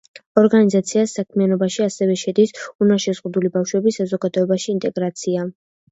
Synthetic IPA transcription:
ɔɾɡanizat̪sʰiasːakʰmianɔbaʃiasɛvɛʃɛd̪isunaʃɛzʁud̪ulibafʃwɛbisazɔɡad̪ɔɛbaʃiːnt̪ʼɛɡɾat̪sʰia

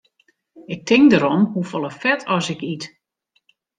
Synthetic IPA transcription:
ɪk̚tʰɪŋdəɾɔmhufɔlˠəfɛtʰɔsɪkit

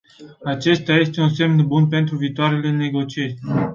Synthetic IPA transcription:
at͡ʃe̞st̪aje̞st̪e̞unse̞mnbunpe̞nt̪ɾuviːt̪oaɾe̞le̞ne̞ɡo̞t͡ʃie̞ɾʲ

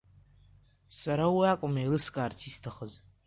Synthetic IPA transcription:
saɾawiakʷʼʊmejlɨskʼaːrt͡sʰistʰaχəz

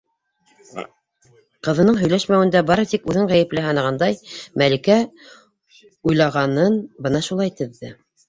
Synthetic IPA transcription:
qɤ̆ðɤ̆nɤɴɦɵ̆jlæʃmæwɘ̆nd̪æbɑɾɤt̪ikʉðɘɴʁæjɘ̆plɘɦɑnɑ̆ʁɑnd̪ɑjmælɘ̆kæ | ujlˠɑʁɑnɤnbɤ̆nɑʃulˠɑjt̪ɘ̆ðːɘ

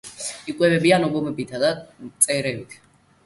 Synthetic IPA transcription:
ikʼwɛbɛbianɔbɔmɛbit̪ʰad̪at̪sʼɛɾɛbit̪ʰ

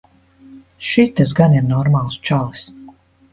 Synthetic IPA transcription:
ʃit̪ːɛs̬ɡaniɾnɔɾmalˠst͡ʃalˠis

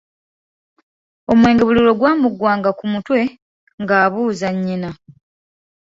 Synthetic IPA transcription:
o̞mwe̞ːŋɡe̞βulilo̞ɡwaːmuɡwaːŋɡakumutwe̞ | ŋɡaːβuːzaɲːina

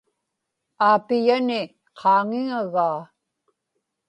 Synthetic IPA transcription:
aːpɪjanɪ | qʰɑːŋɪŋaɣaː

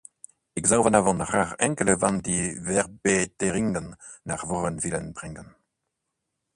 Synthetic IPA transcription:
ɛkzawvənavɔ̃nʁaʁɛ̃ŋkələvãndivɛʁbeteʁiŋɡənː | a̰ʁvɔʁənvilənbʁiŋɡən

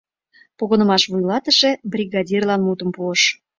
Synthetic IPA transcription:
poɣənə̆mɑʃvujlɑt̪əʃebrʲiɣɑdʲirlɑnmut̪əmpuəʃ

